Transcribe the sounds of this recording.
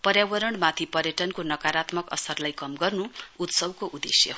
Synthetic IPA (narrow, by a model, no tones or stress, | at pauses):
pʌɾjawʌɾʌɳmat̪ʰipʌɾjʌʈʌnkonʌkaɾat̪mʌkʌ̰sʌrlajkʌmɡʌrnuut̪sʌbkoʔud̪esjʌ̰ɦ